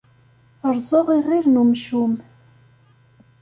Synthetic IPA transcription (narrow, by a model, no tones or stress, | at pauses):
əɾzˤoʁiʁiɾnumʃum